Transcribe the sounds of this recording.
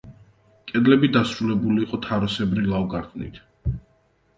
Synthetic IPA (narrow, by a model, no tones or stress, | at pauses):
kʼɛd̪lɛbid̪asɾulɛbuliːqʼɔt̪ʰaɾɔsɛbɾilavɡaɾt̪ʰʼnḭt̪ʰ